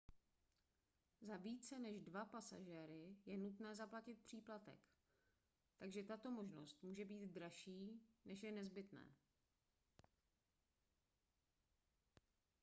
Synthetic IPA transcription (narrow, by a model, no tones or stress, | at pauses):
zaviːt͡sɛnɛʒdvapasa̰ʒɛːɾɪjɛnut̪nɛːzaplacɪt̪̚pr̝̥iːplat̪ɛ̰k | t̪aɡʒɛt̪at̪o̞mo̞ʒno̞̰st̪muːʒɛbiːd̪dɾaʃiːnɛʃjɛnɛzbɪt̪nɛ̰ː